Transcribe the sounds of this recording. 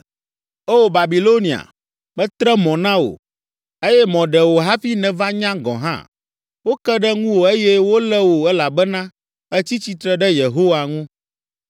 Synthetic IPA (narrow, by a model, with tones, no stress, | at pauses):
o˦˨ba˨bi˨lo˦nĩ˨a̰˨ | bɛ˦t̪ɾɛ˦mɔ̃˨nã˦wo̰˨ | e˦jɛ˦mɔ̃˨ɖɛ˨wo˨ɦa˦fi˦nɛ̃˨va˦ɲã˦ɡɔ̰̃˨ɦã̰˦ | wo˦kɛ˦ɖɛ˦ŋũ˦wo˨e˦jɛ˦wo˦lɛ˦wo˨ɛ˦la˨bɛ˦nã˦ | ɛ˦t͡ɕi˦t͡ɕi˨t̪ɾɛ˦ɖɛ˦je˨ɦo˦wa˨ŋũ˦